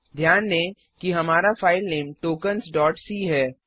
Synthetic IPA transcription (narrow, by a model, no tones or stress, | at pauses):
d̪ʱjaːnlẽː | kiɦɐmaːɾafaːɪlneːmʈoːkənsɖɔːʈsiːɦɛː